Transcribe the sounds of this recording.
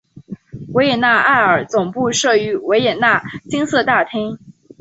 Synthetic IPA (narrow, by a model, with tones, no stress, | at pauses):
we˧˥ɪjɛ˨˩na˥˩˧a˥˩ɪə˞˨˩t͡sʊ˨˩ŋpu˥˧ʂɤ˥˩y˧˥we˧˥ɪjɛ˨˩na˥˩t͡ɕi˥ŋsɤ˥˧t̪a˥˩t̪ʰi˥ŋ